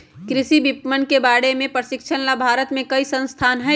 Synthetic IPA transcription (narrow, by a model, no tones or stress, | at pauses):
kɾɪʃibɪpmənkebaːɽemẽpɾəsɪkʃʰənlabʱaːɾət̪mẽkɐisə̃nst̪ʰaːnɦɛ